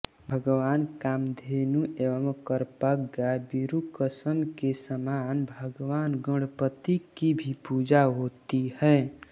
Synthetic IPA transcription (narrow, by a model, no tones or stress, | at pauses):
bʱəɡʋankamd̪ʱenuʔeʋəmkəɾpəkɡabiɾukəsəmkesəmanbʱəɡʋanɡə̃ɽpət̪ikibʱipud͡ʒaɦot̪ihə